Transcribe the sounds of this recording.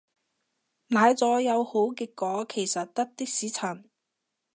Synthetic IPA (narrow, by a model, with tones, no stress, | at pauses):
naː˨˧jt͡sɔː˨˥jɐ˨˧who˨˥wkɪ˨˧kːɔː˨˥kʰe˨˩jsɐ˨t̚t̪ɐ˥k̚t̪ɪ˥k̚siː˨˥t͡sʰɐ˨˩n